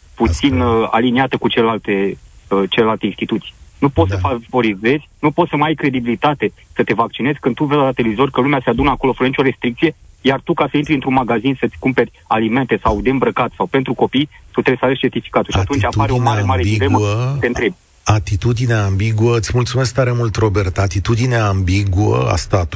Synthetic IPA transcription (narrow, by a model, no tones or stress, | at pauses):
put̪sina̰liniat̪əkut͡ʃelelalt̪e̞ət͡ʃe̞lelalt̪einst̪it̪ut̪sijnupot̪ssəfavo̞ɾize̞zʲnupo̞t̪səmajkɾe̞d̪ibilit̪at̪e̞ | sət̪e̞vakt͡ʃine̞zʲkɨnd̪t̪uvezaat̪elevizo̞rʲkəlumeasead̪unəako̞lofɾənit͡ʃo̞ɾe̞st̪ɾikt̪sije̞ | jart̪ukasəint̪ɾiɨnt̪ɾunmaɡazinsət̪sʲkumpe̞rʲ | alime̞nt̪e̞sawd̪e̞ɨmbɾəkat̪sawpe̞nt̪ɾuko̞pijt̪ut̪ɾeejsaveʃʲt͡ʃe̞rt̪ifi̥kat̪ulʃiat̪unt͡ʃʲapaɾeoemaɾeilemət̪ent̪ɾeb | at̪it̪ud̪ineambiɡuəɨt̪sʲmult̪sumeskt̪aɾe̞mult̪ro̞bert̪at̪it̪ud̪ineambiɡuə̰a̰st̪at̪u